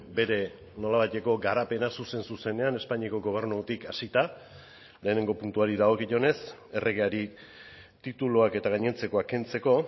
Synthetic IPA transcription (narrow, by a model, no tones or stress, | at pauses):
be̞ɾe̞ | no̞laβajt̪e̞ko̞ɡaɾape̞nasuse̞nsuse̞ne̞ane̞spaɲiako̞ɡo̞β̞e̞ɾnut̪ikasit̪a | le̞ːne̞ŋɡo̞punt̪uaɾiðaɣo̞kiʝo̞ne̞se̞rʔe̞ɣe̞aɾi | t̪it̪uloake̞t̪aɣ̞aɲe̞nt͡se̞ko̞ake̞nt͡se̞ko̞